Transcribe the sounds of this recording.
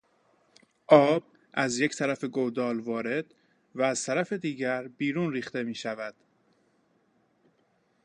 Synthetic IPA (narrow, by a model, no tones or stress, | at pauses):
ʔɒːb̥̚ | ʔæzject̪ʰæɾæfe̞ɡod̪ɒːlvɒːɾe̞d̪̥ | væːz̥t̪ʰæɾæfe̞d̪iːɟæɾbiːɾuːnɾiːxt̪e̞miːʃævæd̪̥